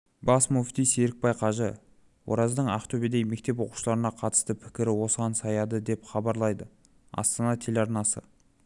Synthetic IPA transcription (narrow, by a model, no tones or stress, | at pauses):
bɑsmuft̪ijseɾɪk̚pɑjqʰɑʒə | wo̞̰ɾɑzd̪əɴɑχt̪ʰɵbed̪ejme̞k̚t̪e̞p̬wo̞qu̥ʃəlˠɑɾənɑqʰɑt̪ə̥st̪əpʰɪ̥kʲɪɾɪwo̞səʁɑnsɑjɑd̪əd̪e̞pχɑbɑɾlˠɑjd̪ə | ɑ̰st̪ɑnɑt̪ʰelʲɑɾnɑsə̰